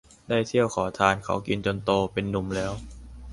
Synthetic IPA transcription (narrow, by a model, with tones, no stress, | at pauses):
daː˥˩jt̪ʰi˥˩əwkʰɔː˩˦t̪ʰaː˧nkʰa̰˩˥˦wki˧nt͡ɕo˧nt̪oː˧pe˧nːu˨˩mlɛː˦˥w